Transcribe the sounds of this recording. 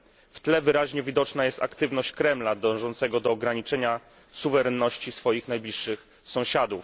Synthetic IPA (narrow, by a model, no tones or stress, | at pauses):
ft̪lɛvɘɾaʑɲɛvʲid̪ɔt͡ʂnajɛst̪a̰kt̪ɘvnɔɕt͡ɕkɾɛmlad̪ɔ̃ʐɔnt̪sɛɡɔd̪ɔːɡɾaɲit͡ʂɛɲa | suvɛɾɛnːɔɕt͡ɕisfɔjixnajblʲiʂːɘx | sɔ̃w̃ɕad̪uf